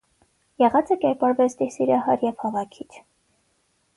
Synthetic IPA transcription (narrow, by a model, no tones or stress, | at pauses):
jɛʁɑt͡sʰəkɛɾpɑɾvɛt͡sʰd̪isiɾɑhɑɾjɛv̥hɑvɑkʰit͡s̪ʰ